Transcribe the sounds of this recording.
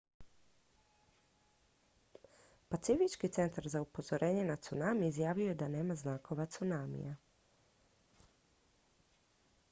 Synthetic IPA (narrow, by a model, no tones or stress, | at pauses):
pat̪sifit͡ʃkit̪se̞nt̪aɾzaupo̞zo̞ɾʔeːɲe̞nat̪sunaːmiizjaːʋiojed̪ane̞ːmaznaːko̞ʋat̪sunaːmḭja